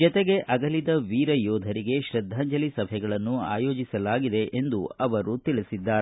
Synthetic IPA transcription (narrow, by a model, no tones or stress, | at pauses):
d͡ʒɔt̪eɡe̞ʔʔɐɡɐlid̪ɐʋiːɾɐjɔːd̪ʱɐɾiɡe̞ʃɾɐd̪ʱːaːɲd͡ʒɐlisɐbʱɛɡɐɭɐnːua̰ːjoːd͡ʒisɐlaːɡid̪e̞ʔend̪uɐʋɐɾut̪iɭisid̪ːaːɾ